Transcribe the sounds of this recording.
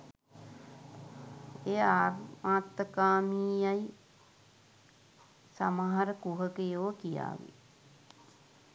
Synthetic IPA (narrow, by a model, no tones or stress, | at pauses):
eːaːrmaːt̪ːəkaːmiːjaj | samaɦaɾəkuɦəkejoːkija̰ːʋḭ